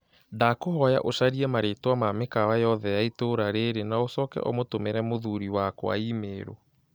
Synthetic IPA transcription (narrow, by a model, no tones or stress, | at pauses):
dakohɔja̰ʔoɕaɾiɛmaɾetwamamekawajɔðɛjaitoɾaɾeɾenaosɔkɛ̰ʔɔ̰motomeɾɛmoðuɾiwakw̰a̰iːmeːɾo̰